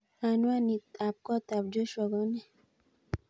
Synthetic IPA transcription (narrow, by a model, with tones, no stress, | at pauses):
a˨nwa˦ni˨ta˨p̚kɔ˦t̪a˨p̚d͡ʒo˦ʃɔ˨ɡɔ˦nɛ˦